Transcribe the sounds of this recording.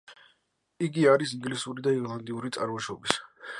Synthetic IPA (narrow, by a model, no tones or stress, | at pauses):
iɡiaɾisiŋɡlisuɾid̪aiɾlˠand̪iuɾit̪sʼa̰ɾmɔʃɔbis